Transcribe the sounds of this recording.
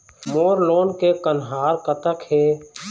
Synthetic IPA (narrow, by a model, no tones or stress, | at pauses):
moːɾloːnkekənɦaːɾkət̪əkheː